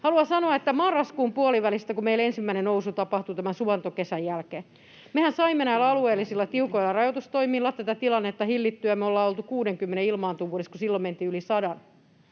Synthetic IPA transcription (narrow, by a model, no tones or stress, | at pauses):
hɑluɑsɑnoɑet̪ːæmɑrːɑskuːmpuoliʋælist̪ækumeilensimːæinenousut̪ɑpɑht̪ut̪æmænsuɑnt̪okesæjjælkeː | mehænsɑimːenæilɑlueːlːisilːɑt̪iukoilːɑrɑjot̪ust̪oimilːɑt̪ːæt̪æt̪ilɑnːet̪ːɑhilːit̪ːyæmeolːɑːolt̪ukuːdeŋkymːeneilmɑːnt̪uːʋuoɾeskusilːoment̪iːylisɑdɑn